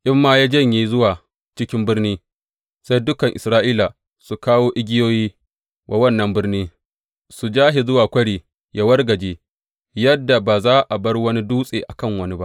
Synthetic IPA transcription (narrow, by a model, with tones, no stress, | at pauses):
ʔɪ˦mːaː˦jaː˦d͡ʒɐ˦˨ɲji˦zʊ˦waː˨ | t͡ʃɪ˦kʲɪ˦mbɪ˦rniː˦ | sa˦jdʊ˦kɐ˨ŋʔɪ˨sɾaː˦ʔiː˦la˨ | su˨kaː˦woː˦ʔɪ˦ɡʲɪ˦joː˦jiː˦ | wa˨wɐ˦˨nːɐ˨mbɪ˦rniː˦ | su˨d͡ʒaː˦ɦi˨zʊ˦waː˨kʷɐ˦ɽiː˨ | jʔa˦wɐ˦rɡɐ˨d͡ʒeː˦ | jɐ˦dːa˨baː˨zaː˦ʔa˨bɐ˦rwɐ˦ni˦duː˦sʼeː˨ʔa˨kɐ˦˨ŋwɐ˦ni˦ba˦ʔ